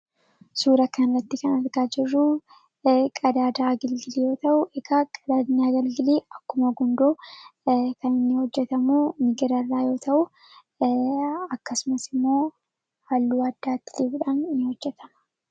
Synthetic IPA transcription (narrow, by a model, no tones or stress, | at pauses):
suːɾɐkɐnrɐt̪ːɪkɐnɐɾɡaːd͡ʒɪrːʊ | kʼɐd̪aːd̪aːɡɐlɡɪlijo̞ːt̪ɐʔʊʔɛɡakʼɐd̪aːd̪ɪɲːaːɡɐlɡɪleːɐkːʊmɐɡʊnd̪oː | kɐnɪnːɪhɔd͡ʒːɛt̪ɐmuːmɪɡɪɾɐrːaːjo̞ːt̪ʰɐʔʊ | ɐkːɐsʊmɐsɪmːo̞ː | halːuːɐd̪ːaːt̪ːɪ̥liːbʊᶑaːnɪnːɪhɔd͡ʒːɛt̪ʰɐmɐ̥